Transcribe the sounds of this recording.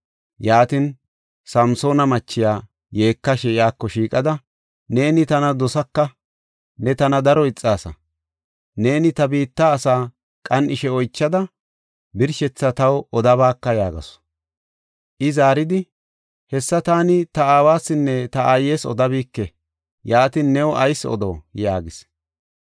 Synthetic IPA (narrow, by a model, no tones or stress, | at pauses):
jaːt̪ɪn | sɐmso̞ːnɐmɐt͡ʃːɪjaː | je̞ːkːɐʃɛɪjaːkːɔʃiːkʼɐd̪ɐ | ne̞ːnɪt̪ɐnɐd̪ɔsɐkːɐ | nɛt̪ɐnɐd̪ɐɾɔɪt͡sʼːaːsɐ̰ | ne̞ːnɪt̪ɐbiːt̪ːaːsaː | kʼɐnʔɪʃɛɔjt͡ʃːɐd̪ɐ | bɪɾʃɛt͡sːɐt̪ɐwɔd̪ɐβaːkːɐjaːɡɐ̰sɔ̥ | ʔɪzaːɾɪd̪ɪ | hɛsːɐt̪aːnɪt̪ɐaːwaːsːɪnːɛt̪ɐʔaːjeːsɔ̰d̪ɐbiːkːɛ | jaːt̪inːɛwɔʔɐjsɔ̰d̪o̰ːjaːɡɪs